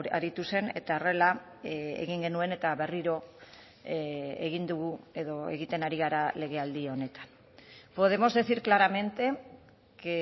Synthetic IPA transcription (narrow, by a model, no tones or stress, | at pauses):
aɾit̪use̞ne̞t̪aore̞la | ḛɣiŋɡe̞nue̞ne̞t̪aβe̞riɾo̞ | eɣind̪uɣue̞ðo̞e̞̰ɣit̪e̞naɾiɣaɾale̞ɣ̞e̞ald̪io̞ne̞t̪ḁn | po̞ðe̞mo̞zðe̞siɾklaɾame̞nt̪e̞ | ke